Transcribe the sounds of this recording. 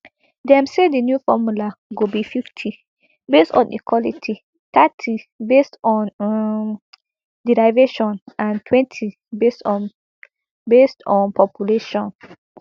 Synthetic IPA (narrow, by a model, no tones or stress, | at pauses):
dɛ̃msedinjufɔmulaɡobififtʰi | bestɔ̰̃nḭkʰwɔlitʰi | t̪ʰatʰibestɔ̃n | diɹaɪveʃɔ̃nãntʰwɛ̃ntʰi | bestɔ̃ | bestɔ̃npʰɔpjuleʃɔ̃n